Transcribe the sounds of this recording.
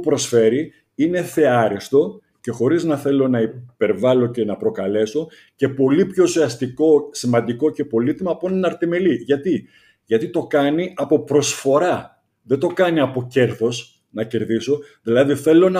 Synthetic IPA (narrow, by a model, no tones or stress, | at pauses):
upɾo̞sfe̞ɾi | ine̞θe̞ɐɾist̪o̞ | ce̞xo̞ɾiznɐθe̞lo̞nɐipe̞ɾvɐlo̞ce̞nɐpɾo̞kɐle̞so̞ | ce̞po̞lipço̞usiɐst̪iko̞simɐnd̪iko̞ce̞po̞lit̪imɐːponnɐɾt̪ime̞liʝɐt̪i | ʝɐt̪it̪o̞kɐniɐpo̞pɾo̞sfo̞ɾɐ | ðet̪o̞kɐniɐpo̞ce̞ɾθo̞s | nɐce̞ɾðiso̞ðilɐðiθe̞lo̞nɐ